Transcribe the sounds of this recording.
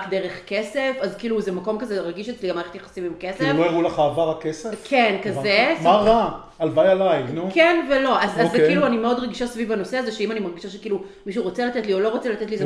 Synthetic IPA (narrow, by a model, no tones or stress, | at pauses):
kd̪eʁeχkesefazkiːluzemako̞mkazeʁaɡiʃet͡sliɡamaeχet̪jeχḁsimimkesefloeʁulaχaːvaʁakesefkʰenkazemaʁa | alvajalajnukenvelo̞ʔazazːekiluanimeo̞dʁeɡiʃasvivano̞seazeʃeimanimaʁɡiʃaʃekiːlu | miʃ̬uʁot͡selat̪etlio̞lo̞ʁot͡selat̪et̪lize